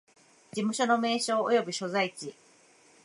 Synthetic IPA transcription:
d͡ʑimɯ̟ɕo̞no̞me̞ːɕo̞ːo̰jo̞bɯ̟ɕo̞zait͡ɕi

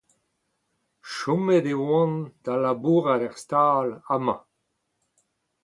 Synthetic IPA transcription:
ʃɔmed̪ewɑ̃nd̪̥alabuːʁalɛʁst̪aːlamɑ̃

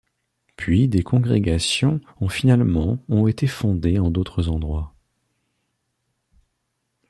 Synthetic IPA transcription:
pɥid̪ekɔ̃ɡʁeɡasjɔ̃ | ɔ̃finalmɑ̃ɔ̃et̪efɔ̃d̪eɑ̃d̪ot̪χəzɑ̃d̪ʁwa

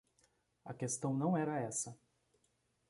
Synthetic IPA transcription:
ɐkest̪ɐ̃w̃nɐ̃w̃ɛɾɐɛsɐ

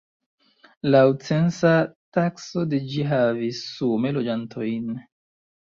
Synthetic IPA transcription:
lawt͡sensatakso̞ded͡ʒiɦavisːumelod͡ʒantʰojn

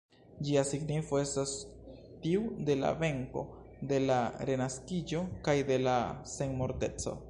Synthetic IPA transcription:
d͡ʒiasiɡnifo̞e̞stas | tiude̞la̰ve̞ŋko̞̰ | de̞laɾe̞naskid͡ʒo̞kajde̞lase̞nmo̞ɾte̞t͡so̰

